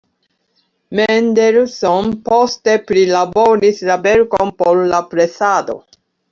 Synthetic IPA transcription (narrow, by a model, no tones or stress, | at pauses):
mendeɾsonposte̞pɾilabo̞ɾislabe̞ɾkonpo̞ɾlapɾe̞sado̞̰